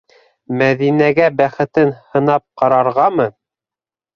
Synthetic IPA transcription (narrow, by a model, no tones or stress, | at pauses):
mæðinæɡæbæχɘ̆t̪ɘnhɤ̆nɑp̚qɑɾɑɾʁɑmɤ